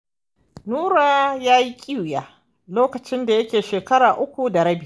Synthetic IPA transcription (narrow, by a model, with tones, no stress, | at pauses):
nuː˦ɾaː˦jaː˦ji˦kʲʼi˦wjaː˦ | loː˦kɐ˨t͡ʃɪ˦nda˨jɐ˦kʲeː˨ʃeː˨kɐ˦ɽaː˨ʔʊ˦kʷu˨da˨ɾɐ˦bɪ˦˨